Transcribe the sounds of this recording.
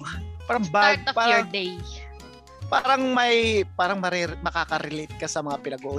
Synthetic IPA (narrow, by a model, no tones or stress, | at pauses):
paːɾɐŋbat̪ɐpaːɾɐd̪ɛj | paːɾɐŋmɐjpaːɾɐŋmɐɾɛmɐkaːkɐɾɪlet̪̚kɐsɐmɐŋapɪnɐɡoʔ